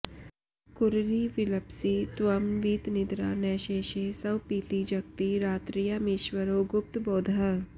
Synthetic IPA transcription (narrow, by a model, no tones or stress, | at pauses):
kʊɾɾiːʋɪlɐpsit̪wɐmʋiːt̪nɪd̪ɾa̰ːnɛːʃeːʃeːsɐwpiːt̪id͡ʒɐk̚t̪iɾaːt̪ɾijamɪʃwəɾoːɡʊp̚t̪boːd̪ʱɐ